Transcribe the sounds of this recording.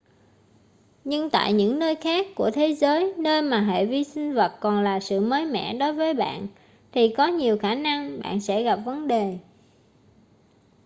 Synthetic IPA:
ɲɨ˧ŋt̪a̰ː˧˨jɲɨ̰˧˥ŋnəː˧jxaː˦˥kːu˧˩ət̪ʰe˨˦zəː˨˦jnəː˧jmaː˨˩ɦḛ˧˨vi˧sï˧ŋ̟və˨˩t̚kɔ˨˩nlaː˨˩sɨ̰˧˨məː˨˦jmɛ̰˧˥˨ɗo˨˦jvəː˨˦jɓa̰ː˧˨n | t̪ʰi˨˩kɔ˨˦ɲi˨˩əwxaː˧˩na˧ŋɓa̰ː˧˨nsɛ̰˧˥ɣa˨˩p̚və˨˦nɗe˨˩

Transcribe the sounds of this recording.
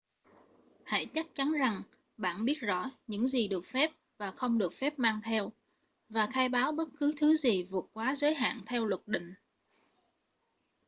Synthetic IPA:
ha̰˧˩jt͡ɕa˦˥k̚t͡ɕa˨˦nza˨˩ŋ | ɓa̰ː˧˩˨nɓi˦˥ət̚zɔ̰˧˥ɲɨ̰˧˥ŋzi˨˩ɗɨ˨˩ək̚fɛ˦˥p̚ | vaː˨˩xə˧wŋ͡mɗɨ˨˩ək̚fɛ˦˥p̚maː˧ŋt̪ʰɛ˧w | vaː˨˩xaː˧jɓaː˨˦wɓə˦˥t̚kɨ˨˦t̪ʰɨ˨˦zi˨˩vu˨˩ət̚kwaː˨˦zəː˨˦jɦa̰ː˧˨nt̪ʰɛ˧wlwə˨˩t̚ɗḭ̈˧˨ŋ̟

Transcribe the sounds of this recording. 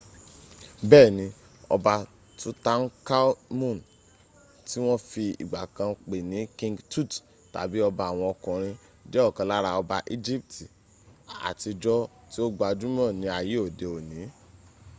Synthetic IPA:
bɛː˦˨nĩ˧ | ɔ̰˧ba˧ | tu˦ta˦n̩˦ka˦mũ˦˨n˨ | ti˦w̃ɔ̃˦fi˧ḭ˨ɡ͡ba˨kã˧k͡pe˨nĩ˨˦kĩ˧ŋɡtu˦˨t | ta̰˨bi˨˦ɔ˧ba˧˨a˨w̃ɔ̃˧ɔ˧kɔ̃˨ɾ̃ĩ˧ | d͡ʒɛ˦ɔ˦˨kã˨˧la˦ɾa˧ɔ˧ba˧ʔi˦d͡ʒi˦p̚ti˨ | a̰˨ti˧d͡ʒɔ˦ | ti˦o˦ɡ͡ba˧d͡ʒũ˦m˦ã˦˨nĩ˧˦a˨ji˨˦o˦˨de˨o˨nĩ˨˦

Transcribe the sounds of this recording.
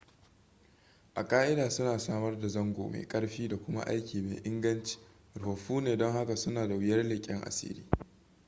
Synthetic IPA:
ʔa˨kʼaː˦ʔɪ˦daː˨sʊ˦naː˨saː˦mɐ˦rda˨zɐ˦ŋɡʷo̰ː˨mḛ˨kʼɐ˦ɽɸiː˦da˨kʷʊ˦ma̰˦ʔa̰˦jkʲiː˨mḛ˨ʔɪ˦ŋɡɐ˦nt͡ʃi̥˨˦ | ɾʊ˨ɸɐ˨ɸuː˦neː˨dɔ˦ŋha˦ka˨sʊ˦naː˨da˨wɪ˦jɐ˦rlɪ˨kʲʼɪ˦ŋʔa̰˨sḭː˦lḭː˦

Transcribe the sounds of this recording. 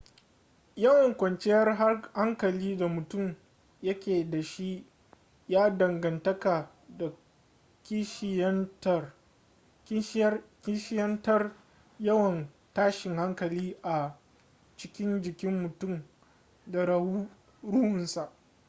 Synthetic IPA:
jɐ˦wɐ˨ŋkʷɐ˨nt͡ʃɛ˦jɐ˦rɦa˦ha˦ŋkɐ˨liː˦da˨mʊ˨tʊ˦˨m | jɐ˦kʲeː˨da˨ʃi˦ʔ | jaː˦dɐ˨ŋɡɐ˨ntɐ˦ka˨ | da˨ | kʲt | kʲi˦ʃɪ˦jɐ˦ntɐ˦r | jɐ˦wɐ˨n | taː˦ʃɪ˨ŋha˦ŋkɐ˨liː˦ʔa˨ | t͡ʃɪ̥˦kʲɪ˦nd͡ʒɪ˨kʲɪ˦mːʊ˨tʊ˦˨m | da˨ɽu˦ | ɽʊ˦hʊ˨nsa˨ʔ

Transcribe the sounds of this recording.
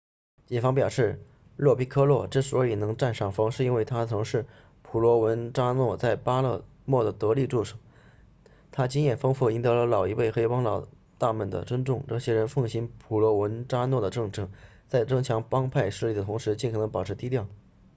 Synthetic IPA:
t͡ɕi˨˩nfɑ˥ŋpjɑ˨˩ʊʂɻ̩˥˩ | lwɔ˥˩pi˥kʰɤ˥lwɔ˥˩ʈ͡ʂ̩˥˩swɔ˧˥i˨˩nɤ˧˥ŋʈ͡ʂa˥˧nʂɑ˥˩ŋfɑ˥ŋʂɻ̩˥˧i˥nwe˥˩ɪt̪ʰa˥t͡sʰɤ˧˥ŋʂɻ̩˥˩ | pʰu˨˩lwɔ˧˥wə˧˥nʈ͡ʂa˥nwɔ˥˧t͡sa˥˩ɪpa˥lɤ˥˧ | mwɔ˥˩d̪ə˩t̪ɤ˧˥li˥˧ʈ͡ʂu˥˩ʂɤ̥˨˩˦ | t̪ʰa˥t͡ɕi˥ŋjɛ˥˩nfɤ˥ŋfu˥˩i˥nt̪ɤ˧˥lə˧lɑ˨˩ʊi˧˥we˥˩ɪxe˥ɪpɑ˥ŋlɑ˨˩ʊ | t̪a˥˩mə˥˩nd̪ə̰˩t͡swə˥nʈ͡ʂʊ˥˧ŋʈ͡ʂɤ˥˩ɕjɛ˥ɻə˧˥nfɤ˥˩ŋɕi˥npʰu˨˩lwɔ˧˥wə˧˥nʈ͡ʂa˥nwɔ˥˩d̪ə˩ʈ͡ʂɤ˥˧ŋʈ͡ʂɤ˥˩ŋ | t͡sa˥˩ɪʈ͡ʂɤ˥ŋt͡ɕʰjɑ˧˥ŋpɑ˥ŋpʰa˥˧ɪʂɻ̩˥˧li˥˩d̪ə˩ʊ˧˥ŋʂɻ̩˧˥t͡ɕi˥˩kʰnɤ˧˥ŋpɑ˨˩ʊʈ͡ʂʰɻt̪i˥t̪jɑ˥˩ʊ

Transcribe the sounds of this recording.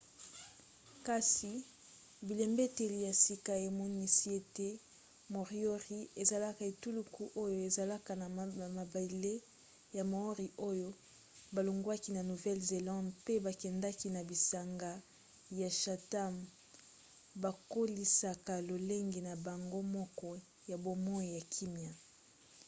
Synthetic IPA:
ka˦si˨ | bi˨lɛ˨mbe˦te˨li˨ja˨si˦ka˨e˨mɔ˦ni˦si˦e˦te˦ | mo˨ʁi˦o˦ʁi˦e˨za˨la˦ka˨e˨tu˦lu˦ku˦ʔo˦jo˦e˨za˨la˦ka˨na˨ma˨ba˨i˨le˦ | ja˨mo˨o˦ʁi˨ʔo˦jo˦ | ba˨lo˨ŋɡwa˦ki˨na˨nu˨vɛ˦lze˨lã˦ndpe˦ba˨kɛ˨nda˦ki˨na˨bi˨sa˨ŋɡa˦ | ja˨ʃa˨ta˦m | ba˨ko˦li˦sa˦ka˨lo˨le˦ŋɡi˨na˨ba˨ŋɡo˦mɔ˦kɔ˦ | ja˨bo˨mɔ˦i˨ja˨kʰi˦mja˨

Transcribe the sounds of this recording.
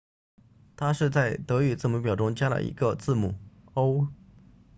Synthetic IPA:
t̪ʰa˥ʂɻ̩˥˧t͡sa˥˩ɪt̪ɤ˧˥y˨˩t͡sɹ̩˥˩mu˧˥pjɑ˨˩ʊʈ͡ʂʊ˥ŋt͡ɕja˥lə̰˨˩ʔḭ˧˥ɡə˧t͡sɹ̩˥˩mu˨˩o˥ʊ

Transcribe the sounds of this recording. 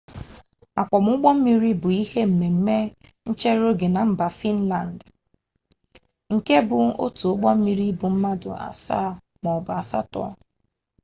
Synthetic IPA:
a˨kʷɔ˨m˦ʊ˦ɡ͡bɔ˦m̩˦mi˨ɾi˦bʊ˨i˦he˦m̩˨me˨m̩˦me˦n̩˦t͡ʃe˦ɾo˦ɡe˨na˨m̩˦ba˨fi˦n̩˦la˨n̩˨d | ŋ̩˨ke˦bʊ˨o̰˦tu˨ʊ˦ɡ͡bɔ˦m̩˦mi˨ɾi˦bʊ˨m̩˦ma˦dʊ̰˨a̰˨sa̰˦˨ | mɔ˨bʊ˨a˨sa̰˦tɔ̰˦˨ɔ˦

